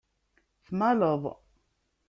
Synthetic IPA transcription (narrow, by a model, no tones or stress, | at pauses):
fmalɔvɔ̰